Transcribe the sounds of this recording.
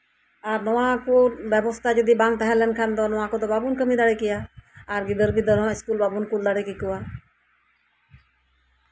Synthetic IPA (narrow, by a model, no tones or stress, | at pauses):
aːɾnəʋãːkoːʋəʋost̪aːd͡ʒəd̪ibãːŋɡ̚t̪əɦɛlənkʰand̪oːnoʋãːkoːd̪obaːbuːnkəmiːd̪aːɽeːkɪjaːaːɾɡɪd̪əɾbiːd̪əɾõːɪskuːlbaːbuːnkuld̪aɽekikuaː